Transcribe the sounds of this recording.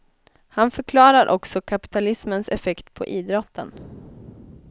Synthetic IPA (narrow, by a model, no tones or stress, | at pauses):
hanfœɾkʰlɑːɾaɾʔɔ̰ksɔkʰapɪ̥t̪ʰalɪsmənsɛ̰fɛkt̪pʰɔ̰ʔiːd̪ɾɔt̪ʰːə̰n